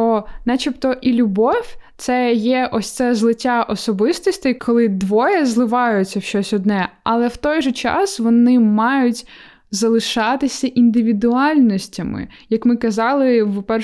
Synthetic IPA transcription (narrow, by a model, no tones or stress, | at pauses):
ɔnɛt͡ʃipt̪ɔʔilʲʊbɔwʲt̪sɛjɛʔɔsʲt̪sɛzlˠɪtʲaʔɔsɔbɪst̪ɔsʲt̪ɪjkʰɔlˠɪd̪ʋɔjɛzlˠɪʋɑjʊt͡sʲːɐʃt͡ʃɔsʲɔd̪nɛɐlˠɛwt̪ɔjʒɛt͡ʃɑ̰sʋɔnɪmɑjʊtʲ | zɐlˠɪʃɑt̪ɪsʲɐʔind̪ɪʋʲid̪ʊɑlʲnɔsʲtʲɐmɪ̰ | jɐkmɪkɐzɑlˠɪwpɛ